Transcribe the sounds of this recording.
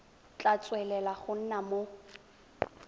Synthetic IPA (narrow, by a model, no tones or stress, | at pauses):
t͡ɬʼat͡sʼwɛlɛlaχʊn̩namo